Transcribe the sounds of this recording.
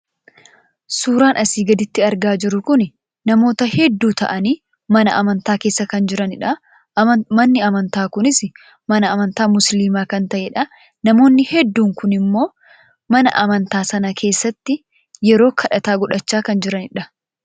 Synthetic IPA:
suːɾaːnʔɐsiːɡɐd̪ɪt̪ːɪɐɾɡaːd͡ʒɪɾʊkʊn | nɐmo̞ːt̪ɐhɛd̪ːuːt̪ɐ̰ʔɐniː | mɐnɐʔɐmɐnt̪aːke̞ːsːɐkɐnd͡ʒɪɾɐnɪᶑɐ | mɐnːɪɐmɐnt̪aːkʊnɪs | mɐnɐɐmɐnt̪aːmʊsliːmaːkɐnt̪ɐʔɛᶑɐ | nɐmo̞ːnːɪhɛd̪ːuːŋkʊnɪmːo̞ː | mɐnɐ̰ʔɐmɐnt̪aːsɐnɐkʰe̞ːsːɐt̪ːɪ | jɛɾo̞ːkʰɐᶑɐt̪aːɡʊᶑɐt͡ʃːaːkɐnd͡ʒɪɾɐnɪᶑɐ

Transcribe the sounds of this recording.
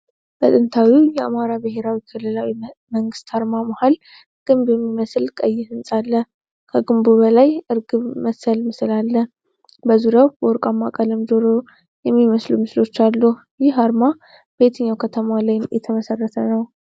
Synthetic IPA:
bət̪ʼɨnt̪ʰawijɛamaɾabɨhe̞ɾawikʰɨlːɨlawiməŋɡɨst̪haɾmamahal | ɡ̥ɨmbjɛmːiməslkʼəjːɪhɨnsʼalːə | kʰəɡɨmbuβəlajʔɨɾɡɨβməsəlmɨsɨlalːə | bəzuɾjawbɔɾkʼamːakʼələmd͡ʒoɾo | jɛmːiməslumɨslo̞t͡ʃːalːu | jɪhaɾma | b̥e̞t̪ʰɨɲːawkʰət̪ʰəmalajnjɛ̰t̪ʰəməsərːət̪ʰənəw

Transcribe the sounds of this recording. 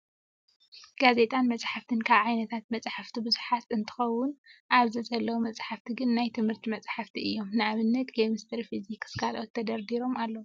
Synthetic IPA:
ɡ̥aze̞t̪ʼanmɐt͡sʼħaft̪ʰɨnkʰaβʕajnɐt̪ʰat̪̚mɐt͡sʼħaft̪ʰibɨzuħat̪ɨnt̪ʰɨ̥xɐwːʊnʔaβzizɐlːɐwumɐt͡sʼħaft̪ʰiɡɨnːajt̪ʰɨmhɨɾt̪ʰimɐt͡sʼħaft̪ʰiɨjːo̞mnɨʔaβɨnːɐt̪ɡemɨst̪ʰɐɾifizikskalʔot̪ʰːɐd̪ɐɾd̪iɾo̞malːɐw

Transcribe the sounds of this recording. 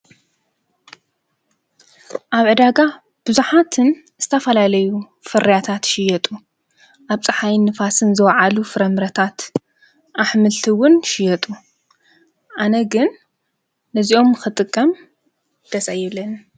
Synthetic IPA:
ʔaβʕɨd̪aɡa | b̥ɨzuħat̪ʰɨn | z̥ɨt̪ʰɐfɐlalɐju | fɨɾɐjat̪ʰat̪ʃɪjɛt̪ʼu | ʔaβt͡sʼɨħajnɨfasɨnzɨwɐʕalufɨɾɐmɨɾɐt̪ʰat̪ | ʔaħmɨlt̪ʰɨwʊnʃɪjɛt̪ʼu | ʔanɐɡɨnː | ɐziʔo̞mɨxɨt̪ʼɨkʼːɐm | d̪̥ɐsɐjɛβlɐn

